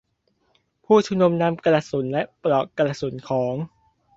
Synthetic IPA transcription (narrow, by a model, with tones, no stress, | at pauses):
pʰuː˥˩t͡ɕʰu˥˩nu˧mna˦˥˨mka˧la˧su˩˦nlɛ˦˥ʔpɾɔ˨˩ka˧la˧˩su˩˦nkʰɔː˩˦ŋ